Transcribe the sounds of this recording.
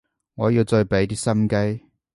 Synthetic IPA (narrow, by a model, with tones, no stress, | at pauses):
ŋɔː˨˧jiː˧wt͡sɔ˧jpe˨˥jt̪iː˥sɐ˥mke˥j